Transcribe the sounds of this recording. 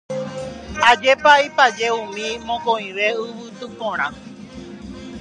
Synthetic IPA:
ad͡ʒepaipad͡ʒeũmĩmõkõĩʋe̞ɨʋɨt̪ɨpõɾ̃ã

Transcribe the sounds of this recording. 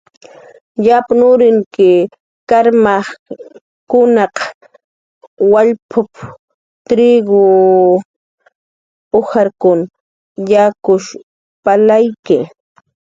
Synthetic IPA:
ʎapanʊɾɪŋkɪ | kaɾmaχ | kʊnɑq | waʎpʰʊp | t̪ɾiɡʊ | ʊxaɾkʊn | jakʊʃ | palajkɪ

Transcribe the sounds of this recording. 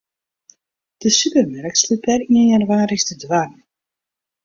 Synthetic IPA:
d̥əsypərmɛɾkslupɛriənjərʋaːɾəxstədʋar

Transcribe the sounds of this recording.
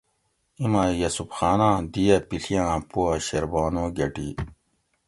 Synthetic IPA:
imajɐsupxaːnãːd̪ijɐpiɬʰijãːpuɐɕɐɾbaːnoːɡɐʈi

